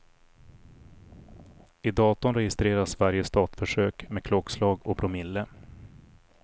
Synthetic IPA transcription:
ɪd̪ɑːt̪ʊnɾɛjɪst̪ɾeːɾasvaɾjəst̪ɑːt̪fœʂøːkmeɛkʰlɔkslɑːɡɔbɾʊmɪlːə

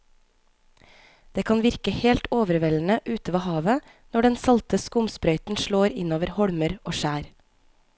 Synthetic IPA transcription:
d̪̥eːkʰɑːnʋɪɾkəheːlt̪oːʋəɾʋɛːln̩əʔʉːt̪əʋɑːhɑːʋə | nɔɖɛnsɑlt̪əskʊmspɾœʏt̪n̩ʃɭoːɾɪnoːʋəɾhɔɽməɾoːʃæːɾ

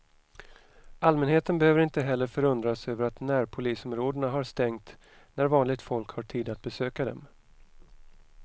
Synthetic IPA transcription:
almɛnɦeːt̪ənbɛhøːvəɾɪnt̪əɦɛlːəɾfœɾɵnd̪ɾasøːvəɾat̪næɾpʰʊliːsɔmɾoːd̪əɳaɦaɾst̪ɛŋt̪ | næɾvɑːnlɪɡ̚t̪fɔlkhaʈʰiːd̪at̪̚bɛsøːkad̪ɛ̰m

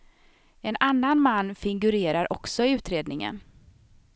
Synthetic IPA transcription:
ɛnanːanmanːfɪŋɡɵɾeːɾaɾʔɔksɔɪʉ̟ːt̪ɾeːd̪nɪŋə̰n

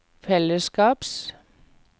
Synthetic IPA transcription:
feləsɡ̥ɑːb̥s

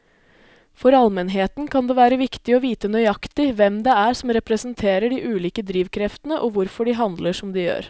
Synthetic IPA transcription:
fɔɾɑlmɛnɦeːt̪nkʰɑnd̪ɛːʋæːɾəʋɪkt̪ɪɔʋiːt̪ənœʏɑkt̪ɪʋɛmd̪ɛæɾsɔmɾɛpɾɛsənt̪ʰeːɾəɖiʔʉːliːkəd̪ɾiːʋkʰɾɛft̪ənəʔɔʋʊɾfɔɖɪɦɑnd̪ləʂɔmd̪ɪjø̰ːɾ

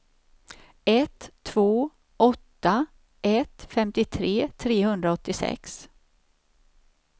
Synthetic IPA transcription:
ɛt̪ʰːvoː | ʔɔt̪ːa | ʔɛt̪fɛmt̪ɪt̪ʰɾeːt̪ʰɾeːhɵnd̪ɾaɔt̪ːɪsɛ̰ks

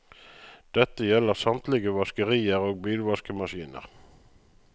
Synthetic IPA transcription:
d̪̥ɛt̪əjɛləʁsɑmt̪lɪɡəʋɑskəʁiːəʁoːɡ̚biːlʋɑskəmɑʃiːnə̰ʁ

